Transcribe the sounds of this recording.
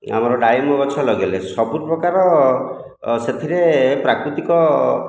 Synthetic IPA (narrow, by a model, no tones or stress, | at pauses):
a̰mɔɾɔɖajmɔɡɔt͡ʃʰɔlɔɡelesɔbuɾpɾɔkaɾɔ | set̪ʰiɾepɾakɾut̪ikɔ